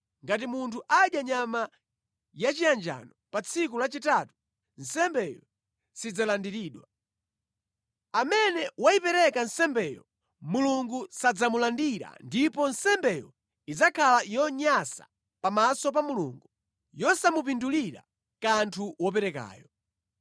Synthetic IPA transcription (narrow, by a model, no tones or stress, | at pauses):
ŋɡat̬imuntʰuʔaɗjaɲama | jat͡ʃijand͡ʒa̰nɔpat͡sʰikulat͡ʃitatu̥ | n̩sɛmbɛjɔ | sid͡zalandiɾiːɗwa | amɛnɛwaipɛɾɛkansɛmbɛjɔ | muluŋɡusad͡zamulandiɾa̰ndipɔnsɛmbɛjɔ | id͡zakʰalajɔɲasa̰ | pamasɔp̬amulṵːŋɡu | jɔsamup̬induliɾa̰ | kantʰuwɔpɛɾɛka̰ːjɔ